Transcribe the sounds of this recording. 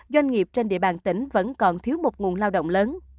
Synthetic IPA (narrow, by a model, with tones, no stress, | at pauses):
zwa˧jŋ̟ŋi˨˩əp̚t͡ɕe˧nɗḭ˧˨əɓa̰ː˨˩nt̪ï˧˩ŋ̟və̰˧˥nkɔ˨˩nt̪ʰi˨˦əwmo˨˩t̚ŋu˨˩ənlaː˧wɗo̰˧˨wŋ͡mləː˨˦n